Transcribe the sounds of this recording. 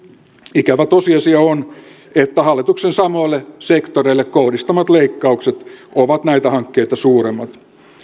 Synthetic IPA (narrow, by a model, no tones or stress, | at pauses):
ikæʋæt̪osiɑsiɑon | et̪ːæhɑlːit̪uksensɑmoilːesekt̪oreilːekkohdist̪ɑmɑt̪leikːɑukset̪oʋɑt̪næit̪æhɑŋkːeit̪ɑsuːɾemːɑt̪